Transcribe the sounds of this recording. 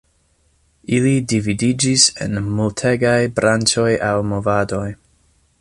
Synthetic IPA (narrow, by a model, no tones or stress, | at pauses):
ilidividid͡ʒisḛnmultʰeɡajbɾant͡ʃo̞jʔawmo̞vado̞j